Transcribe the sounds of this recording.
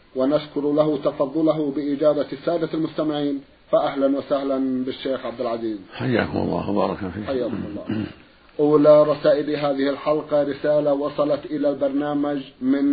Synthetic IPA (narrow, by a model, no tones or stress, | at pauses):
wanaʃkʊɾlaɦʊt̪ɑfɑðˤːʊlaɦʊbɪʔɪd͡ʒaːbasaːd̪almʊst̪amɪʕiːn | faʔaɦlanwasahlanbɪʃːeːxʕab̚d̪ɪlʕaziːzħajːa̰ːkʊmɑ̰lˤːɑ̰ːxbɑ̰ːɾˤɑkafiːħajːaːkʊmɑlˤːɑ̰ː | ʔuːlaɾˤɑsaːʔɪlɦaːðɪhɪlħalqɑɾɪsaːlawɑsˤɑlɑt̪ʔɪlalbɑɾˤnaːmad͡ʒmɪn